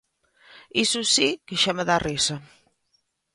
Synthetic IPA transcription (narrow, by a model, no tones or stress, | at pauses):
isusikeʃamaðarisa